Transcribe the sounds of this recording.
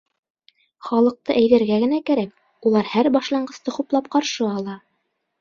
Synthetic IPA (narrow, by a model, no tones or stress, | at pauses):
χɑlˠɤ̆q̚t̪ɤʔæjðæɾɡæɡɘ̆nækæɾæk̚ | ulˠɑɾhæɾbɑʃlˠɑɴɢɤ̆st̪ɤχuplˠɑp̚qɑɾʃɤɑlˠɑ